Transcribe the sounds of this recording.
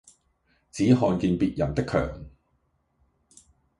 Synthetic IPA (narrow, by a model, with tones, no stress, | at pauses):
t͡siː˨˥ɦɔː˧nkiː˧npiː˨t̚jɐ˨˩nt̪ɪ˥kʰːœ̰ː˨˩ŋ